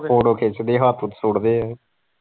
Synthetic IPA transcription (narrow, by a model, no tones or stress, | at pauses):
oːɽoːkʰeːt͡ʃd̪eːɦaːt̪ʰʊt̪sʊɽd̪eː